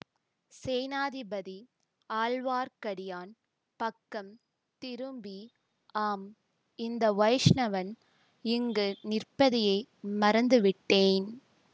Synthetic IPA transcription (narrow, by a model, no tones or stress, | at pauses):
sɛːnaːðɪbɐði | aːlʋaːɾkɐɽɪjaːn | pɐkːɐm | t̪ɪɾɯmbi | aːm | ɪnd̪ɐʋɐjʂnɐʋɐn | ɪŋɡɯnɪrpɐðɪjɐɪmɐɾɐnd̪ɯʋɪʈːeːn